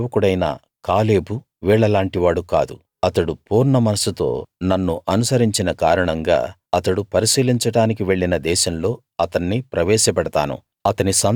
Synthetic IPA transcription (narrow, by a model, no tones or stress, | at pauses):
ʋɐkuɽɐjna̰ː | kaːle̞ːbu | ʋiːɭɐlaːɳʈiʋaːɽuka̰ːd̪ṵ | ɐt̪ɐɽupuːɾɳɐmɐnɐsut̪o̞ːnɐnːuʔɐnusɐɾiɲt͡ʃinɐkaːɾɐɳɐŋɡa̰ː | ɐt̪ɐɽupɐɾisiːliɲt͡ʃɐɽaːnikiʋe̞ɭːinɐd̪ɛːʃɐmlo̞ː | ɐt̪ɐɳːipɾɐʋɛːʃɐpɛɽɐt̪a̰ːnṵ | ɐt̪ɐnisɐn